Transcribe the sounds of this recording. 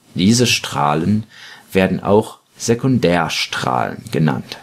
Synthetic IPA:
d̥iːzəʃtʁ̥a̰ːlənv̥eːɐdn̩ʔa̰ʊx | z̥ekʊndɛːɐʃtʁ̥a̰ːlə̰nɡəna̰nt

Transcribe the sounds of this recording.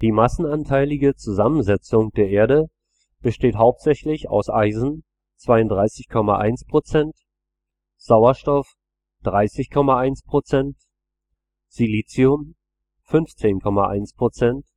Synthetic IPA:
d̥iːmasn̩antʰaɪlɪɡət͡suzamənzɛt͡sʊŋd̥eːɐʔeːɐɾə | b̥əʃteːtɦaʊp̚tz̥ɛçlɪça̰ʊsʔaɪzn̩ | t͡sv̥aɪʊnd̥ʁaɪsɪçkʰɔmaʔa̰ɪnspʁ̥ot͡sɛnt | z̥aʊɐʃtɔf | d̥ʁaɪsɪçkʰɔmaaɪnspʁ̥ot͡sɛnt | z̥iliːt͡siʊm | fʏnft͡seːnkʰɔma̰ʔa̰ɪnspʁ̥ot͡sɛnt

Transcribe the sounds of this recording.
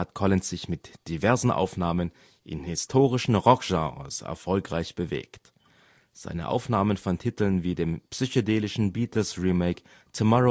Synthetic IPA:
hatkʰɔlɪnsz̥ɪçmɪtd̥ivɛɐzn̩ʔa̰ʊfnaːmən | ʔɪ̰nhɪstʰoːʁɪʃn̩ʁɔkʒ̥ɑ̃ːʁə̰sɛ̰ɐfɔlkʁ̥aɪçb̥əvḛːkt | z̥a̰ɪnə̰ʔa̰ʊfnaːmənfɔntʰiːtl̩nviːdeːmpsyçodeːlɪʃn̩biːtʰl̩sʁiːmeɪk | tʰumɔʁo

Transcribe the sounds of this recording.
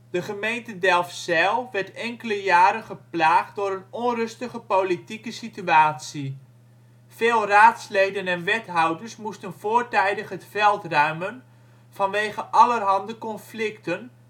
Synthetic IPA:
d̥əχəmejntədɛlˠfsɛlˠʋɛɹtɛŋkələjaːɾəχəplaːχt̚dʊːɾənɔnrɵstəχəpolitikəsityaːtsi | feːlˠraːtslejdənɛnʋɛtɦɑwdəɹsmustənv̥oːɹtɛjdəχətfɛlˠtrœɥmən | fɑnʋeːχəʔɑlərɦɑndəkɔnflɪktən

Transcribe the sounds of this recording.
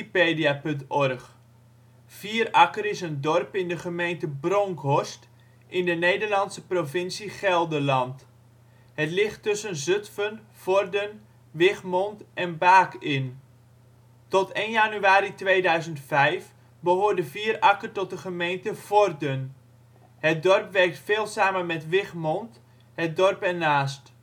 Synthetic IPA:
ipeːdiapɵntɔrχ | fiːərɑkəɾɪsəndɔrpɪndəχəmejntəbrɔŋkʰɔst | ʔɪndənejdərlɑntsəprovɪnsiχɛlˠdəlɑnt | hətlɪχtːɵsənzøtfən | fɔrdən | ʋɪχmɔntʔɛnbaːkɪn | tɔteːnjanyaːɾitʋeːdœɥzəntfɛjf | bəɦoːrdəviːərɑkərtɔt̚dəχəmejntəv̥ɔrdən | hət̚dɔrpʋɛrk̚tfeːlˠsaːmənmɛtʋɪχmɔnt | hət̚dɔrpɛnaːst

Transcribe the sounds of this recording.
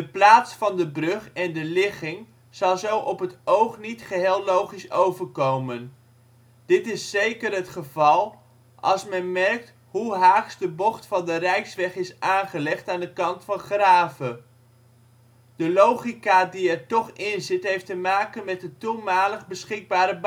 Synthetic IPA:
dəplaːtsfɑndəbrɵχɛndəlɪχɪŋ | z̥ɑlˠzowʔɔpətowχnitχəɦeːlˠlowχisowvəɹkowmən | d̥ɪtɪsːejkəɾɦətχəvɑlˠ | ɑ̰lˠsmɛnmɛrk̚t | ɦuɦaːksdəbɔχtfɑndərɛjsʋɛχɪsaːnχəlɛχtaːndəkɑntfɑnχraːvə | d̥əlowχikadiɛɹtɔχɪnzɪtɦejftəmaːkənmɛtətumaːləχbəsχɪɡ̚baːɾəb

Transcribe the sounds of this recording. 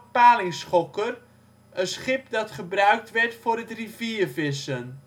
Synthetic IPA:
paːlɪŋsχɔkər | ənsχɪpdɑtχəbrœɥk̚tʋɛɹtfʊɾətriviərvɪsən

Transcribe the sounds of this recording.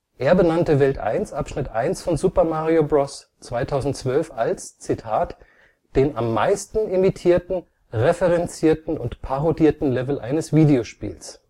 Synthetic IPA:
ʔeːɐbənantəvɛltʔa̰ɪnsʔapʃnɪtʔa̰ɪnsfɔnzuːpɐmaʁiobʁɔs | t͡sv̥aɪtʰaʊzn̩tt͡sv̥œlfalst͡sitʰaːt | d̥eːnamːa̰ɪstn̩ɪmitʰiːɐtn̩ | ʁefəʁɛnt͡siːɐtn̩ʊntpʰaʁodiːɐtn̩lɛvl̩ʔa̰ɪnəsv̥iːdeoʃpḭːls

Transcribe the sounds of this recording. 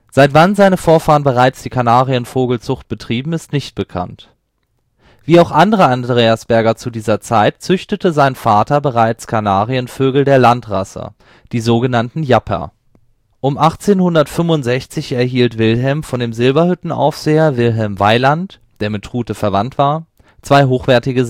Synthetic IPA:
z̥aɪtv̥anzaɪnəfoːɐfaːʁənbəʁaɪt͡sd̥iːkʰanaːʁiənfoːɡl̩t͡sʊχt̚b̥ətʁ̥iːbm̩ɪstnɪçt̚b̥əkʰa̰nt | v̥iːaʊxʔandəʁəandʁeːasb̥ɛɐɡɐt͡sudiːzɐt͡saɪtt͡sʏçtətəzaɪnfaːtɐbəʁaɪt͡skʰanaːʁiənføːɡl̩deːɐlantʁ̥a̰sə̰ | d̥iːzoːɡənantn̩japʰɐ̰ | ʔʊmʔaχt͡seːnhʊndɐtfʏmvʊntz̥ɛçt͡sɪçɛɐɦiːltv̥ɪlɦɛlmfɔndeːmzɪlbɐhʏtn̩a̰ʊfz̥eːɐvɪlɦɛlmvaɪlant | d̥eːɐmɪtʁuːtəfɛɐvantv̥aːɐ | t͡sv̥aɪɦoːxv̥ɛɐtɪɡə

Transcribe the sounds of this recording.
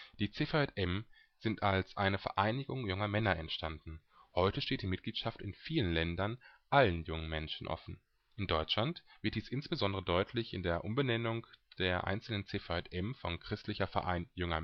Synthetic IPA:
d̥iːt͡seːfaɛtʔɛm | z̥ɪntalsʔaɪnəfɛɐʔaɪnɪɡʊŋjʊŋɐmɛnɐʔɛntʃtandn̩ | hɔʏtəʃteːt̚d̥iːmɪt̚ɡ̥liːtʃaftɪnfiːlənlɛndɐnʔalənjʊŋənmɛnʃn̩ʔɔ̰fn̩ | ʔɪndɔʏt͡ʃlantv̥ɪɐt̚d̥iːsʔɪnsb̥əzɔndəʁədɔʏtʰlɪçɪ̰ndeːɐʔʊmbənɛnʊŋd̥eːɐʔa̰ɪnt͡sl̩nənt͡seːfaɛtʔɛmfɔnkʁ̥ɪstlɪçɐfɛ̰ɐʔa̰ɪnjʊŋɐ̰

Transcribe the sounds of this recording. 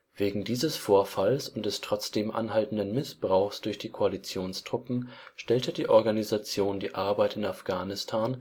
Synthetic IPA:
v̥eːɡŋ̩diːzəsfoːɐfalsʊnt̚d̥ɛstʁ̥ɔt͡sd̥eːmʔa̰nɦaltn̩dənmɪsb̥ʁaʊxsd̥ʊɐçd̥iːkʰoalit͡sjoːnsd̥ʁʊpm̩ʃtɛltədiːʔɔɐɡanizat͡sjoːndiːʔaɐbaɪtɪnafɡ̥aːnɪstʰaːn

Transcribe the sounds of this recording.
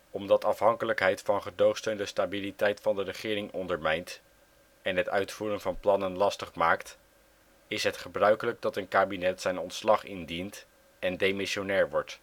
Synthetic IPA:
ɔmdɑtɑfɦɑŋkələkɦɛjtfɑnχədowχstøɥndəstaːbilitɛjtfɑndərəχɪːɾɪŋɔndəɹmɛjnt | ɛnɦətœ̰ɥtfuːɾənvɑnplɑnənlɑstəχmaːkt | ɪsɦətχəbrœɥkələk̚dɑtənkaːbinɛtsɛjnɔntslɑχɪndint | ɛndejmɪʃonɛːɹʋɔɹt

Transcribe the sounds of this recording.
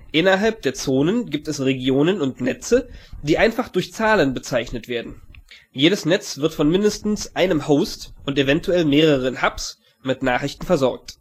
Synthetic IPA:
ʔɪnɐɦalp̚d̥eːɐt͡soːnənɡiːp̚tɛsʁeɡjoːnənʊntnɛt͡səd̥iːʔaɪnfaχd̥ʊɐçt͡saːlənbət͡saɪçnətv̥eːɐdn̩jeːɾəsnɛt͡sv̥ɪɐtfɔnmɪndəstn̩sʔaɪnəmhoʊstʔʊntevɛntʰuɛlmeːʁəʁənhaps | mɪtnaːχʁɪçtn̩fɛɐzɔɐk̚t

